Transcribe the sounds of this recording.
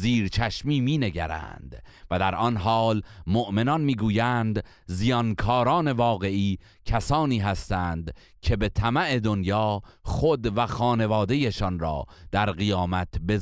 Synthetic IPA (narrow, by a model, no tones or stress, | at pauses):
ziːɾt͡ʃʰæʃmiːmiːne̞ɡæɾæ̰nd̪̥ | væd̪æɾʔɒnɦɒːlmoʔme̞nɒnmiːɡuːjæːnd̪ | zijɒnkʰɒːɾɒːne̞vɒːɣe̞ʔiː | cʰæsɒːniːɦæst̪æːnd̪ | cʲʰe̞be̞t̪ʰæmæʔe̞d̪o̞njɒːxχod̪væxɒːne̞vɒːd̪e̞jeʃɒnɾɒ̰ːd̪̥æɾɣijɒːmæt̪ʰbe̞